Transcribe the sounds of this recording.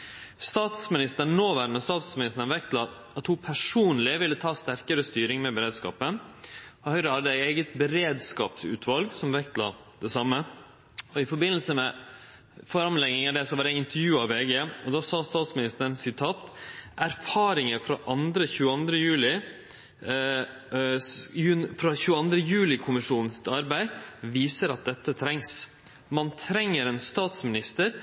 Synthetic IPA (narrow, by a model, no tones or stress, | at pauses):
st̪ɑːt̪smɪnɪst̪əoːʋæɾnɔst̪ɑːt̪smɪnɪst̪əɳ̩ʋɛk̚t̪lɑ | ɑt̪hupʰæʂuːnlɪʋɪlːət̪ʰɑːst̪æɾkəɾəst̪yːɾɪŋmɛbəɾeːd̪skɑ̰ːpənɔhœʏɾəhɑd̪ːəæɪeːɡət̪bəɾeːd̪skɑ̰ːpsʉ̰ːt̪ʰʋɑlɡsɔmʋɛk̚t̪lɑ̰ | d̪ɛsɑmːə | ɔɪfɔɾbɪnːlsəmɛ | fɔɾɑmlɛŋːɪŋɑd̪ɛsɔʋɑːɾæɪnt̪əɾjʉːɑʋeːɡeɔd̪ɑːsɑːst̪ɑːt̪smɪnɪst̪əɾnsɪt̪ʰɑːt̪ʔæɾfɑːɾɪŋəfɾɑʔɑnd̪ɾəçʉːəɑnd̪ɾəjʉːlɪ | jʉnfɾɑçʉːəɑnd̪ɾəjʉːlɪkʰʊmɪʂuːnn̩sɪt̪ɑɾbæɪʋiːsəɾɑt̪̚d̪ɛt̪ːət̪ʰɾɛŋs | mɑnt̪ʰɾɛŋːəɾɛnst̪ɑːt̪smɪnɪst̪əɾ